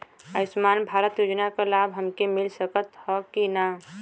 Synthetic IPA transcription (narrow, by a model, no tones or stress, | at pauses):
əsmaːnbʱaːɾət̪juːd͡ʒnakalaːbɦəmkemɪlsəkət̪hɔkina